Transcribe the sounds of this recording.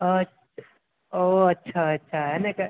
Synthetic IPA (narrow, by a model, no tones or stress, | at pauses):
o | oɐtːʃʰaɐtːʃʰaɦɛneke